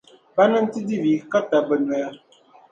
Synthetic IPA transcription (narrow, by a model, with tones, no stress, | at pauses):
ba˦nə˦n̩˦ti˦di˦vi˨ka˦ta˨bə˨n˨ə˨˦